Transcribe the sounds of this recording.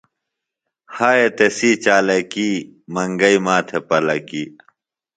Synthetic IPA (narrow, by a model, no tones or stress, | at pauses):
haːjet̪esiːt͡ɕaːlekiːmɐŋɡɐimaːt̪ʰepɐlɐkiː